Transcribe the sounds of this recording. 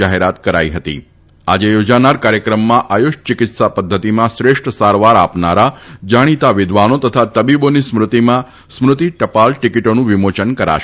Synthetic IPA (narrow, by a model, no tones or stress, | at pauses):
aɦeɾat̪kəɾa̰iɦət̪ḭ | a̰d͡ʒejod͡ʒanaɾkaɾjəkɾəmːãʔajuʃt͡ʃɪkɪt̪sapəd̪ʱːət̪imãsɾeʂʈʰəsaɾʋaɾapnaɾad͡ʒaɽ̃it̪aʋɪd̪ʱʋanot̪ət̪ʰat̪əbibonismɾʊt̪imã | smɾʊt̪iʈəpalʈɪkiʈonũʋɪmot͡ʃənkəɾa̰ʃ